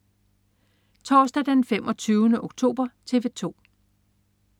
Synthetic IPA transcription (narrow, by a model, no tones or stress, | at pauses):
t͡sʰɒːsd̥æd̥enfem̰ʔɒ̽t͡sʰyːʊnəʔo̝ɡ̥̚t͡sʰo̝̰ːb̥ɐt͡sʰe̝ːʋe̝t͡sʰo̝̰ː